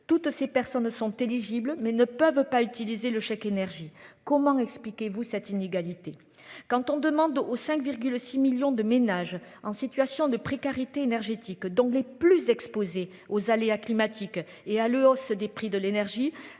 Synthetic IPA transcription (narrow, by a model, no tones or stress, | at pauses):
t̪ut̪sepɛʁsɔnsɔ̃t̪eliʒibləmɛnəpœvpayt̪ilizeləʃɛkenɛʁʒikɔmɑ̃ɛksplikʲevusɛt̪ineɡalit̪e | kɑ̃t̪ɔ̃d̪əmɑ̃d̪osɛ̃ŋkviʁɡylsimiljɔ̃d̪əmenaʒɑ̃sit̪ɥasjɔ̃d̪əpχekaʁit̪eːnɛʁʒet̪ikd̪ɔ̃leplyzɛkspoze | ozaleaklimat̪ʰik | ealəɔsd̪epχid̪əlenɛʁʒi